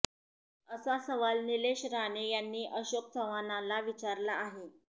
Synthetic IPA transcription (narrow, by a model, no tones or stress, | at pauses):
əsasəʋalnileɕɾaɳejanːiːʔəɕok̚t͡sʰəʋanalaʋit͡ɕaɾlaːɦe